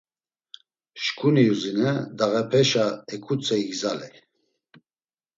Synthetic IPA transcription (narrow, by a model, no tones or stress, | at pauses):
ʃkʰʼunijuzinɛd̪aɣɛpʰɛʃaɛkʰut͡sʼɛiɡzalɛ